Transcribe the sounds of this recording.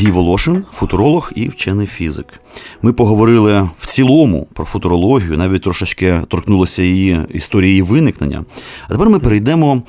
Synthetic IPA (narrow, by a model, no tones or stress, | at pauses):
dʲijʋɔlˠɔʃɪnfʊt̪ʊɾɔlˠɔxiwt͡ʃɛnɪjfʲizɪ̰k | mɪpɔɦɔʋɔɾɪlˠɪw̥t͡sʲilˠɔmʊ̰pɾɔfʊt̪ʊɾɔlˠɔɦʲijʊnɑʋʲit̚ʲt̪ɾɔʃɪt͡ʃkɪt̪ɔrknulˠɔsʲɐjiiist̪ɔɾʲijiiʋɪnɪknḛnʲːɐ̰ɐt̪epɛrmɪpeɾejd̪ɛmɔ